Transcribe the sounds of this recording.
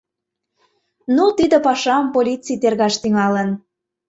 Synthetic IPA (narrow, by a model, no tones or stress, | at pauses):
nut̪id̪ə̆pɑʃɑmpolʲit͡sijt̪erɣɑʃt̪yŋɑlən